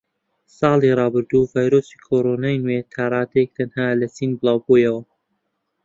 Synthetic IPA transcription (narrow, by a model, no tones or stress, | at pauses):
sɑːlˠirˤɑːbɨɾd̪uvaːjɾoːsiːkʰoɾonaːjnwet̪ʰaːɾˤɑːd̪jek̚t̪ʰɐnhaːlɐt͡siːnbɨlˠɑːwbojɐwɐ